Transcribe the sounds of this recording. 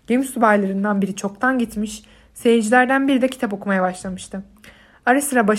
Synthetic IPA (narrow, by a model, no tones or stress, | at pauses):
ɟ̥emsubajlˠaɾɯnd̪anbiɾit͡ʃʰo̞k̚t̪ʰanɟit̪miʃ | sejid͡ʒilʲæɾd̪ænbiɾid̪ɛcʰi̥t̪ʰapo̞kʰumajabaʃlˠamɯʃt̪ʰɯ | aɾasɯɾabaʃ